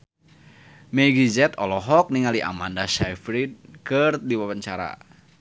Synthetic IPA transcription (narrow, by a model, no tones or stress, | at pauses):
mɛɡid͡ʒɛt̪ɔlɔɦɔk̚niŋaliʔa̰mandasajfɾid̪̚kərdiwawəɲt͡ʃaɾa̰